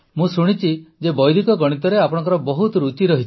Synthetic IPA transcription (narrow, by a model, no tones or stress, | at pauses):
mũsuɽ̃it͡ʃʰid͡ʒebɔjd̪ikɔɡɔɽ̃it̪ɔɾeapɔɽ̃ɔ̃ŋkɔɾɔbɔɦut̪ɔɾut͡ʃiɾɔɦit͡ʃʰi̥